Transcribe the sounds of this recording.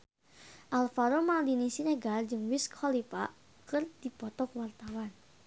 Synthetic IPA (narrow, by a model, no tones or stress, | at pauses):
ʔalfaɾomadinisinɛɡard͡ʒɨŋwiskʰɔlipa | kɨrdipɔt̪ɔkwart̪awan